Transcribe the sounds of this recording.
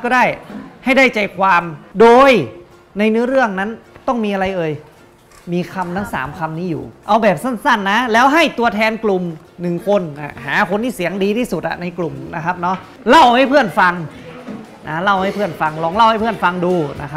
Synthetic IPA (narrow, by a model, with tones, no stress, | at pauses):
kɔː˥˩daː˥˩jha˥˩jdaː˥˩jt͡ɕa˧˩jkʰwaː˧mdoː˧j | na˧jnɯ˦˥ɾɯ˥˩əŋna˦˥nt̪ɔ˥˩ŋmiː˧ʔa˧ɾa˧jʔɤː˧j | miː˧kʰa˧mt̪ʰa˦˥˩ŋsa̰ː˩˦mkʰa˧mniː˦˥˩jṵː˨˩ʔa˧wbɛː˨˩p̚sa˥˩nsa˥˩nːa˦˥lɛː˦˥wɦa˥˩jt̪u˧ɐt̪ʰɛː˧nklu˨˩m | nɯ˨˩ŋkʰo˧nʔa̰˨˩haː˩˦kʰo˧nt̪iː˥˩si˩˦əŋdiː˧t̪ʰiː˥˩su˨˩t̪̚ʔa̰˨˩na˧jklu˨˩mna˦˥kʰa˦˥p̚nɔ˦˥ʔ | la˥˩wha˥˩jpʰɯ˥˩ənfa˧ŋ | na˦˥la˥˩wha˥˩jpʰɯ˥˩ənfa˧ŋlɔː˧ŋla˥˩wha˥˩pʰɯ˥˩ənfa˧ŋduː˧na˦˥kʰa˦